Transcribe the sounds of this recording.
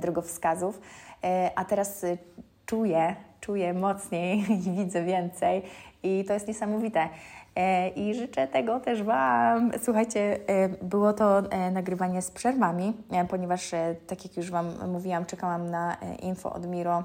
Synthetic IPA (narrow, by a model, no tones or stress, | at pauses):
d̪ɾɔɡɔfskazuf | ʔat̪ɛɾas | t͡ʂujɛt͡ʂujɛmɔt̪sɲejivʲid̪zɛvʲjɛnt̪sɛjit̪ɔjɛst̪ɲɛsamɔvʲit̪ɛ | ʔiʐɘt͡ʂɛt̪ɛɡɔt̪ɛʐbaswuxajt͡ɕɛbɘwɔt̪ɔnaɡɾɘvaɲɛspʂɛɾvamʲipɔɲɛvaʂt̪akʲjakjuʐvamːuvʲiwamt͡ʂɛkawamnaʔinfɔ̰ʔɔ̰d̪mʲiɾɔ